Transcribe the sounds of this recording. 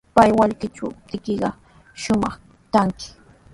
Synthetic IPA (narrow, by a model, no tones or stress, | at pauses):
pajwaʎkɪt͡ʃat̪ɪkɪɢɑ | ʃʊmɑχ | t̪aŋkɪ̥